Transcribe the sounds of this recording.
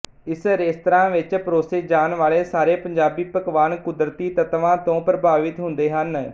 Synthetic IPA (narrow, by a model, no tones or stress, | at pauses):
ɪsɾeːst̪ɾãːʋɪt͡ʃpɾoːseːd͡ʒaːnʋaːɭeːsaːɾeːpəɲd͡ʒaːbiːpəkʋaːnkʊd̪ɾət̪iːt̪ət̪ʋãːt̪õːpɾəbʱaːʋɪt̪ɦʊ̃nd̪eːɦən